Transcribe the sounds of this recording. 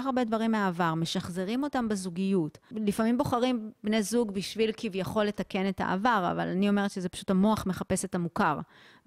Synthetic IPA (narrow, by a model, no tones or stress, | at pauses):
aχaʁbedvaʁimːeaːvaʁme̞ʃaχze̞ʁimo̞tambezuɡijutlifamimbo̞χaʁimbnezuɡbiʃvilkivjaχo̞lːe̞take̞ne̞ta̰ʔa̰vaʁa̰va̰lanio̞me̞ʁetʃezepḁʃu̥thamoaχme̞χape̞setamukaʁ